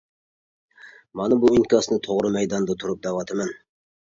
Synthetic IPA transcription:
mɑnɨbuɪnkʲɑsnɨt̪ʰoʁɾɨmæjd̪ɑnd̪ɑt̪ʰʊɾʊp̚d̪æwɑt̪ʰɪmɑn

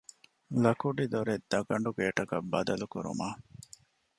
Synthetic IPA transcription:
lɐkuɖid̪oɾed̪ːɐɡɐɳɖuɡeːʈɐkɐbːɐd̪ɐlukuɾṵmaː

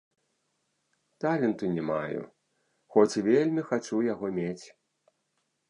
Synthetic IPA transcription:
t̪alʲɛnt̪unʲɛma̰jṵ | xɔt͡sʲvʲelʲmʲixat͡ʂujaɣɔmʲet͡sʲ

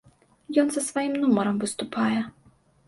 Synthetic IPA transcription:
jɔnzɐsfɔjimnumɔɾɛmvɨst̪upajɛ

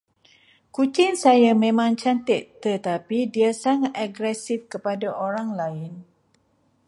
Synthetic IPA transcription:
kut͡ʃɪŋsajamẽmãŋt͡ʃant̪ɪtt̪ːət̪apidiasaŋat̪aɡɾɛsifkəpadaʔoɾaŋlaɪn

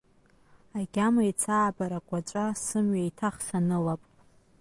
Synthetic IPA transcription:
aɡʲamajt͡sʰaːbaɾakʷʼat͡ʃʷʼasɨmɥajtʰaχsanɨlapʼ

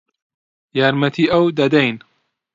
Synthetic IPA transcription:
jaɾmɐt̪ʰiːʔɐwd̪ɐd̪ɐjn

